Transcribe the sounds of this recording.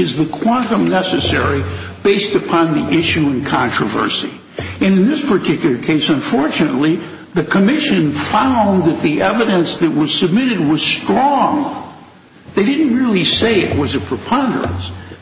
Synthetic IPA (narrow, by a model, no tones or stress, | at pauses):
ɨzðɨkʰw̥ɑ̃ntə̃mnɛsɨsɛɹib̥eɪstɨpʰɑ̃nðiʔɪʃʉɨ̃nkʰɑ̃ntɹ̥ɨvɜ̰˞sḭ | ɨ̃nɨ̃nðɪspʰə˞tʰɪkjl̩ˠə˞kʰeɪsə̃ɱfɔɹt͡ʃɨnə̰tˡli | ðɨkʰəmɪʃɨ̃nfãʊ̃nðɨt̪̚ðiʔɛvɨɾɨ̃nsðɨt̚wʌz̥sɨb̚mɪɾɨd̚wʌz̥stɹ̥ɔ̃ŋ | ðeɪɾɪdⁿn̩t̚ɹɪlˠiseɪɨʔ̚wʌzɨpʰɹ̥ɨpʰɑ̃ndə̰˞ɨ̰̃ns